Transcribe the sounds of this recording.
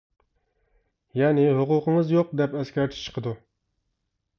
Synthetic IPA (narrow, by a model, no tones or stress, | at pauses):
jɛnɪɦʊqʊqəŋəzjoq̚d̪ɛpɛskʲɛɾt̪ʰɪ̥t͡ʃʰə̥qʰəd̪u